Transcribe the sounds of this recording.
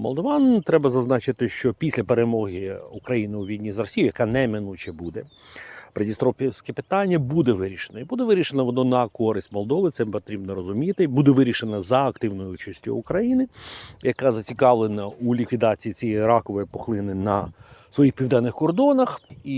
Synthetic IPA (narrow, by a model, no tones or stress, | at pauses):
mɔ̰lˠd̪ɔʋɑnt̪ɾɛbɐzɐznɑt͡ʃɪt̪ɪʃt͡ʃɔpʲisʲlʲɐpeɾemɔɦiukɾɐjinɪuʋʲijdʲnʲizrɔsʲijʊjɐkɑnɛmɪnut͡ʃɛbud̪ɛ | pɾedʲist̪ɾɔpʲsʲkɛpɪ̥t̪ɑnʲːɐbud̪ɛʋɪɾʲiʃenɐibud̪ɛʋɪɾʲiʃenɐʋɔnɔnɐkɔɾɪsʲtʲmɔlˠd̪ɔʋɪt̪sɛpɔt̪ɾʲibnɔɾɔzʊmʲit̪ɪbud̪ɛʋɪɾʲiʃenɐzɐːkt̪ɪwnɔjʊut͡ʃɐsʲtʲʊ̰ːkɾɐjinɪjɐkɑzɐt͡sʲikɑʋlˠenɐulʲikʋʲid̪ɑt͡sʲijit͡sʲijɛɾɑkɔʋɔjipɔxlˠɪnɪnɐsʋɔjixpʲiʋd̪ɛnːɪxkɔrd̪ɔnɐxi